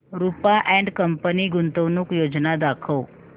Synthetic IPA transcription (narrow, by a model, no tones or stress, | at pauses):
ɾupaʔɛ̃ɳɖkəmpəniɡunt̪əʋnuːkjod͡znad̪akʰəw